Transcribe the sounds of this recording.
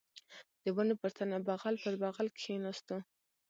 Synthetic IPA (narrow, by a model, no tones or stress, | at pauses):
d̪̥əbanopəɾt̪anabaɣalpəɾbaɣalkʰenast̪u